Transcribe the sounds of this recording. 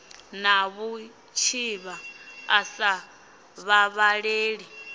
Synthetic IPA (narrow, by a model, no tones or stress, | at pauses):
naβu | t͡ʃʰiβaːsa | βaβaɺeːɺi